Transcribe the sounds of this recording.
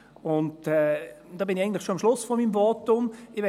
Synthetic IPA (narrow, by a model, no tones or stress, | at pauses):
ʊntɛd̥ɑːbɪnɪaɪən̩tlɪχʃoɑmʃlʊsfɔmiːmvɔːtʊmɪʋɛ